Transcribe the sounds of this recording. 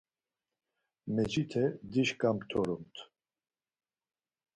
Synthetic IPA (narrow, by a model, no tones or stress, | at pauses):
mɛd͡ʒit̪ʰɛd̪iʃkʼamt̪ʰɔɾumt̪ʰ